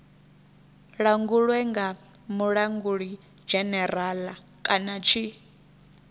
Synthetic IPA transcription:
ɺaŋɡuɺwɛŋɡa | muɺaŋɡuɺi | d͡ʒɛnɛɾalakʼanat͡ʃʰi

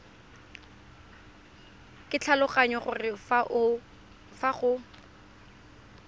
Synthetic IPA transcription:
kʼɪt͡ɬʰalʊχaɲɔχʊrɪfaʔʊ | faχʊ

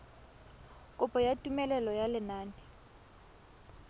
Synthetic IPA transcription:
kʼʊpʼɔjatʼumɛlɛlɔjalɪnaːnɪ

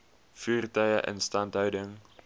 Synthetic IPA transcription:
fyːrtœɥəʔə̰nstɐntɦœwdəŋ

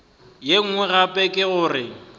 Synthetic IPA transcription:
jeŋ̩ŋwɛɣapʼɛkʼɪɣʊrɪ

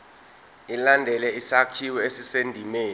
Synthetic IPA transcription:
ilandʱɛlɛisakʰiwɛesisendʱimeː

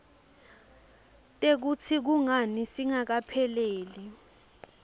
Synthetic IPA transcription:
tʼek̬ut͡sʰik̬uŋanisiŋak̬apʰɛleːli

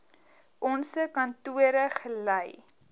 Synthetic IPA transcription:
ʔɔnsəkɐntuəɾəχələj

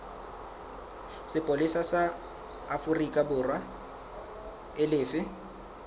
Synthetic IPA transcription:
sɪpʼolɪsasaː | fʊrikʼabʊrwa | ɪlɪːfɪ

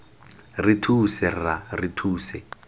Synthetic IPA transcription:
ritʰusɛraritʰuːsɛ

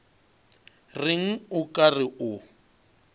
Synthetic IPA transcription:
rɪŋ̩ʊkʼarɪʔʊ

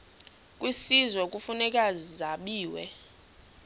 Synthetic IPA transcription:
kʼwisizwɛkʼufunɛkʼazizaɓiːwɛ̰

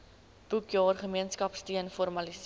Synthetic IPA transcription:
b̥ukjɑːrχəmiənskɐpstiənfɔrmɐlis

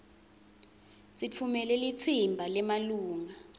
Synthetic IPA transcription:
sit͡fʰumɛlɛlit͡sʰimbʱalɛmaluːŋa

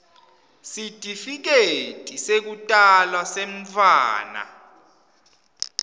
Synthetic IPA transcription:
sitʼifik̬etʼisek̬utʼalwaseɱfa̰ːna̰

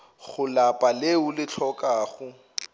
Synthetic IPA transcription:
χʊlapʼaleʊlɪt͡ɬʰɔkʼaːχʊ

